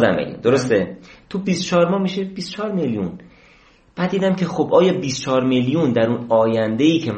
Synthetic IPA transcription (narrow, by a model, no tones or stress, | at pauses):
d̪æ̰mbḛj̰d̪oɾost̪et̪ʰubist̪o̥t͡ʃʰɒːɾmɒːhmiːʃebist̪o̥t͡ʃʰɒːɾmeljṵn | b̥æd̪d̪iːd̪æmcʰe̞xobʔɒːjɒːbist̪t͡ʃʰɒːɾmeljund̪æɾunɒːjænd̪e̞jiːcʰe